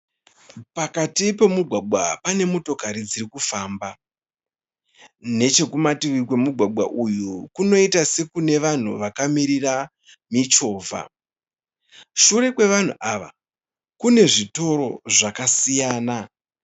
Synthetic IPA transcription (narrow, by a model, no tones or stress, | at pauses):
pakatipe̞muɡʱwaɡ͡bʱwapane̞muto̞kaɾid͡zirikufaːmba | ne̞t͡ʃe̞kumatiʋikwe̞muɡʱwaɡ͡bʱwa̰ʔujukuno̞itase̞kune̞ʋan̤ṵʋakamiɾira | mit͡ʃo̞ːvʱa̰ | ʃuɾe̞kwe̞ʋan̤ṵʔaʋa̰ | kune̞ʐito̞ɾo̞ʐakasijaːna